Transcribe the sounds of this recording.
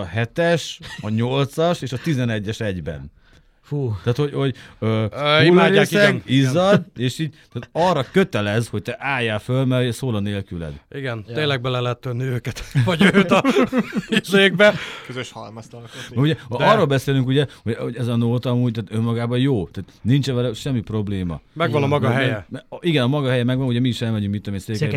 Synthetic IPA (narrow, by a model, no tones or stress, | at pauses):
ɒɦɛt̪ɛʃɒɲo̞lt̪sɒʃeːʃɒt̪izɛnɛɟːɛʃɛɟbɛ̰n | fuːt̪aːt̪ho̞ɟho̞ɟøːimaːaiɛizɒd̪eːʃiːɟ̚t̪aːt̪ɒrːɒkøt̪ɛlɛzho̞c̚t̪ɛʔaːjaːlfølmɛɾuɟɛsoːlɒneːlkylɛ̰d̪iɡɛnt̪eːnlɛɡ̚bɛlɛlɛɛt̪ːønːiøːkɛt̪ʋɒɟøːt̪ | seːɡbɛkøzøʃhɒlmɒst̪ɒlomɛuɟɛɒrːoːlbɛseːlyŋkuɟɛho̞ɟoɟɛzɒnoːt̪ɒmuːɟ̚t̪aːt̪ø̞mːɒɡaːbɒjoːt̪ɛːt̪nint͡ʃɛvɛlɛʃɛmːipro̞bleːmɒ̰mɛɡɡʋɒnɒmɒɡɒɦɛjɛmɛʔiɡɛnɒmɒɡɒɦɛjɛmɛɡʋɒnuɟɛmiːʃɛlmɛɟyŋkmint̪ːɒmiseːk